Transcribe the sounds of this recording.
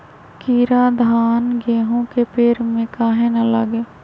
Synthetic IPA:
kiːɾaːd̪ʱaːnɡeːɦõkepeːɾmẽkaːɦẽnɐləɡeː

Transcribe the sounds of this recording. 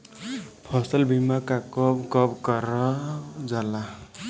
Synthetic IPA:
pʰʌsʌlbʱimakakʌbkʌbkʌɾʌd͡zʌla

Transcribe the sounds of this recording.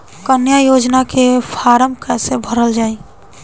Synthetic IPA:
kənjajod͡ʒnakepʰaɾəmkəsebʱəɾəld͡ʒai

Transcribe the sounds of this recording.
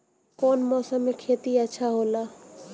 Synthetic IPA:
koːnmɔːsəmːekʰeːt̪iəːʃʰaɦoːlaː

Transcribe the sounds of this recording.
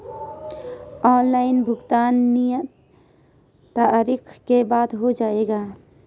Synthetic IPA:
ɔːnlaːɪnbʱʊɡt̪aːnːijə | t̪aɾiːkʰkebaːd̪ɦod͡ʒaːeːɡaː

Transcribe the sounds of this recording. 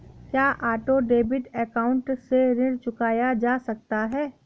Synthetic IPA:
kjaːʔaːʈoɖeːbɪʈɛkaːʊ̃ɳʈseɾɪ̃ɽt͡ʃʊkaːjad͡ʒaːsɐk̚t̪aɦɛː

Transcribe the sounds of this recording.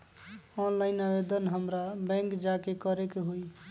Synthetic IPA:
ɔnlaɪnabed̪ənɦəmɾabɛ̃ŋkd͡ʒakekəɾekeɦoi

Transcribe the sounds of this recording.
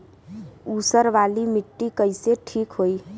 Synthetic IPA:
usəɾʋalimiʈːikəɪseʈʰikɦoi

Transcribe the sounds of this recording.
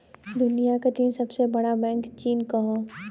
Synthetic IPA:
d̪ʊnijaked̪insɐbsebɐɽabɛ̃ːŋkt͡ʃiːnkɐɦõː

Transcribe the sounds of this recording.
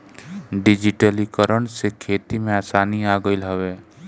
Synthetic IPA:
ɖɪd͡ʒɪʈəlikəɾəɳsekʰeːt̪imẽaːsaːniaːɡəilɦəʋeː

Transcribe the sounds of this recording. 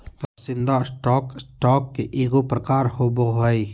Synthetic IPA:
pasɪnd̪asʈɔksʈɔːkːeʔiɡopɾəkaːɾhoboɦəj

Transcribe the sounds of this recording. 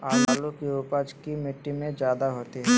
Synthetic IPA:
aːlaːlukiʊpad͡ʒkimɪʈːimẽd͡ʒjaːd̪aɦoːt̪iɦɛ

